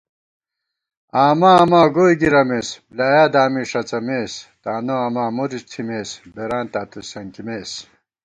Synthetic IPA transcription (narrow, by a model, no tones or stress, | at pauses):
aːmaɐmaːɡoːjɡiɾɐmeːsblaːjaːd̪aːmiʂɐt͡sɐmeːst̪aːnoaːmaːmuɾist̪ʰimeːsbeɾaːnt̪aːt̪usɐŋkimeːs